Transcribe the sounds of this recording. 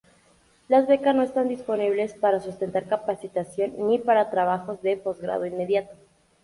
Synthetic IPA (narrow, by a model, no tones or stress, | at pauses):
lazβe̞kasno̞e̞st̪and̪ispo̞niβle̞spaɾasust̪e̞nt̪aɾkapasit̪asjo̞nːipaɾat̪ɾaβaxo̞zðe̞po̞zɣɾa̰ð̞oinme̞ðjat̪o̥